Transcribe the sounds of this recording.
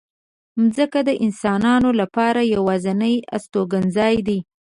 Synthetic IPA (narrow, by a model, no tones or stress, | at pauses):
mzəkad̪əʔɪnsɑnɑnolapɑɾajawɑzanəja̰st̪oɡanzɑjd̪i